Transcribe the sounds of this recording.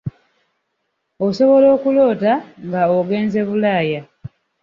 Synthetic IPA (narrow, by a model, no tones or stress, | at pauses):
oso̞βo̞lo̞ːkulo̞ːtaŋɡaoɡe̞ːnze̞βulaːja